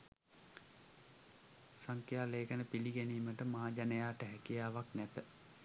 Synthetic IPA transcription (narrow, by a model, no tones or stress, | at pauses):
saŋkjaːleːkənəpiliɡeniːməʈəmaɦaːd͡ʒanəjaːʈəɦɛkijaːʋaknæt̪ə